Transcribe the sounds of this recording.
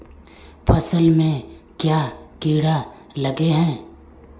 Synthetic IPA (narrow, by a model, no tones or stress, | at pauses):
pʰɐsəlmẽkjaːkiːɽa | lɐɡeɦɛ̃ː